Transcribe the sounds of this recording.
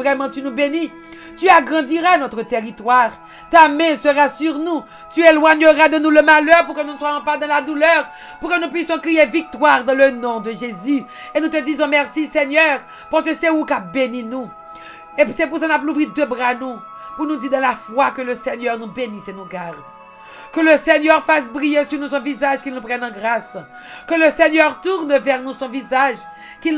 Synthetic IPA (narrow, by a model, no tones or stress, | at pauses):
vʁɛmɑ̃t̪ynubeni | t̪yaɡʁɑ̃d̪iʁanɔt̪ʁət̪eʁit̪waʁ | t̪amɛ̃səʁasyʁnu | t̪yɛlwaɲøʁad̪ənuləmalœʁpuʁkənũnəswajɔ̃pad̪ɑ̃lad̪ulœʁ | puʁkənũpɥisjɔ̃kʁijevik̚t̪waʁd̪ɑ̃lənɔ̃d̪əʒezy | enut̪əd̪izɔ̃mɛʁsiseɲœʁ | paʁsəsɛukabeninu | epsɛpuʁsãnapluvʁid̪øbʁanu | puʁnud̪iʁd̪ɑ̃lafwakələseɲœʁnubenisenuɡaʁd̪ | kələseɲœʁfasbʁijesyʁnusɔ̃vizaʒkilnupχɛnɑ̃ɡʁas | kələseɲœʁt̪uʁnvɛʁnusɔ̃vizaʒ | kil